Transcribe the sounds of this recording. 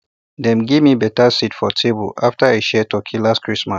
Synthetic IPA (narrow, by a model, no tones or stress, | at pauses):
dɛ̃mɡevmibɛtasitfɔtʰebo̰laftaaʃɛtɔkʰilaskʰɹismas